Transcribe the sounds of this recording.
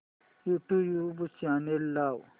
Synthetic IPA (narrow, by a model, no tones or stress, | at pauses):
juʈujubut͡ʃaːnelːaːw